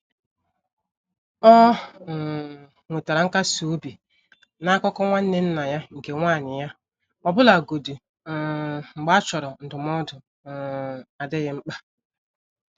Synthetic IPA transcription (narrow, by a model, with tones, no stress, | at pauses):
ɔ˦˨ | ŋʷe˨ta˨ɾa˨ŋ̩˦ka˦su˨o˦bi˨ | na˦kɔ˦kɔ˦ŋʷa˦n̩˦ne˦n̩˦na˨ja˦ŋ̩˨ke˨ŋʷaː˦˨nɪ˨ja˦ | ɔ˨bʊ˦la˨ɡo˨du˨ | ŋ͡m̩˨ɡ͡ba˦t͡ʃɔ˨ɾɔ˨n̩˨dʊ˨m˦ɔ˦dʊ˨ | a˨de˦ɣɪ˦ŋ͡m̩˦k͡pa˦